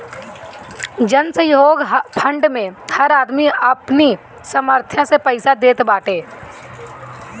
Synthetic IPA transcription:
d͡ʒənsəjoːɡpʰə̃ɳɖmẽhəɾaːd̪miəpni | səməɾt̪ʰjãsepəɪsad̪eːt̪baːʈeː

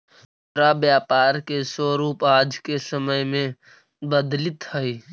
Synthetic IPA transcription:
ɾabjaːpaːɾkesəɾuːpaːd͡ʒkesəməjmẽ | bəd̪lɪt̪həi

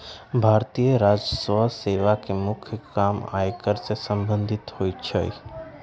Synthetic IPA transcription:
bʱaːɾt̪ijəɾad͡ʒəsəseʋakemʊkʰjəkama̰ːjkəɾsesə̃mbə̃nd̪ʱɪt̪hoːjt͡ʃʰəj

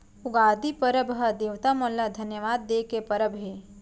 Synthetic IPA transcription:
ʊɡaːd̪ipɐɾəbɦɐd̪eːʋt̪amɔlːad̪ʱɐnjəʋaːd̪ːeːkepɐɾəbɦe

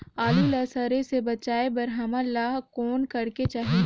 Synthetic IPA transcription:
aːlulɐsaɾesebɐt͡ʃaːebɐɾɦɐmalːaːɦkɔːnkɐɾket͡ʃaːɦe

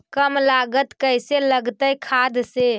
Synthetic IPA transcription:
kəmlaɡət̪kəjseləɡt̪əjkʰad̪se

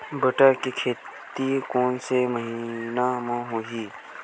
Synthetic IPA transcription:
bəʈakikʰeːt̪ikoːnseməɦinamãɦoːɦi

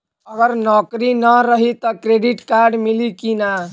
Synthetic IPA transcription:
əɡəɾnɔkɾinəɾəɦit̪ɔkɾeɖiʈkaɾɖmilikina

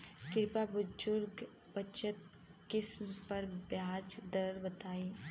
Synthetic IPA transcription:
kɪɾpabʊd͡ʒʊɾɡ | pət͡ʃət̪̚ | kɪsmpɐɾbjaːd͡ʒd̪əɾbɐt̪aːiː

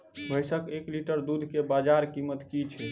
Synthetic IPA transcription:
bʱəjsəkekliʈəɾd̪ud̪ʱkebad͡ʒaɾkimət̪kit͡ʃʰɛ

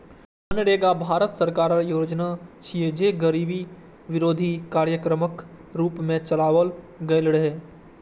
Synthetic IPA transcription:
ənɽeːɡabʱaːɾət̪səɾkaːɾaɾjoːd͡ʒnat͡ʃʰied͡ʒeɡəɾiːbi | ʋɪɾoːd̪ʱikaːɾjəkɾəmək | ɾuːpmẽt͡ʃəlaːʋəl | ɡɐelɽəɦeː

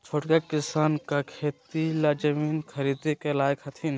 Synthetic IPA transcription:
t͡ʃʰoʈkakɪsaːnkakʰeːt̪ilad͡ʒəmiːnkʰəɾid̪ekelaːjkhɐt̪ʰin

